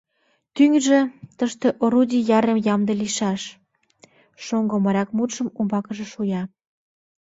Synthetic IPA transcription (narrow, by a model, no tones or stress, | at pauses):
t̪yŋʒĕt̪əʃt̪ĕʔoɾud̪ʲijɑɾemjɑmd̪ĕliʃɑʃ | ʃoŋɡomɑɾʲɑkmut̪ʃə̆mumbɑkə̆ʒĕʃujɑ